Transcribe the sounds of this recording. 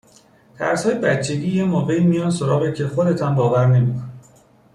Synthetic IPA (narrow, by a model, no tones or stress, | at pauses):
t̪ʰæ̰ɾshɒːjebætt͡ʃʰːe̞ɡiːjemɒːvejmijɒːnsoɾɒːɣecʰe̞xo̞d̪e̞t̪ʰæmbɒːvæɾne̞miːkʰone